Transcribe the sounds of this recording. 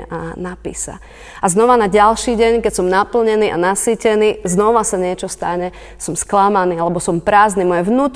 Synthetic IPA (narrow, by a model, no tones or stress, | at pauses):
ʔanapḭːsa̰ | aznɔʋanaɟalʃiːɟɛɲkɛcsɔmnapl̩ɲɛniːʔa̰nasiːcɛniːznɔʋasaɲɪɛt͡ʃɔst̪aɲɛ | sɔmsklamaniːalɛbɔsɔmpɾaːznimɔjɛʋnuːt̪